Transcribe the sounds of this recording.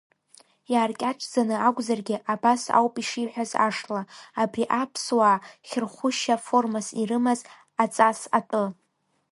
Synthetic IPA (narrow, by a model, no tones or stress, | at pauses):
jaːrkʲʼaʈ͡ʂʼʰd͡zanɨaɡʷʼzarɡʲɪʔabasa̰wpʼiʂiħʷᶣaza̰ʂlaːbriʔapʰswaːχʲɪrχʷʊʃafo̞rmasirɨmaz | at͡sʼasa̰tʼɨ